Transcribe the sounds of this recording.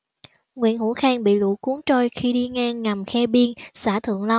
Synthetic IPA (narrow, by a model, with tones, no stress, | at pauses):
ŋwḭ˧˨ənhu˧˥xaː˧ŋɓḭ˧˨lṵ˧˩ku˨˦əŋt͡ɕo˧jxi˧ɗi˧ŋaː˧ŋːa˨˩mxɛ˧ɓi˧ənsaː˧˩t̪ʰɨ̰˧˨əŋla˧w